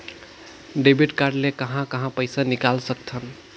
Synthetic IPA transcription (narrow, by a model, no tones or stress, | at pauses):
ɖebiʈkaɾɖlekəɦãkəɦãpəɪsanikalsək̚t̪ʰən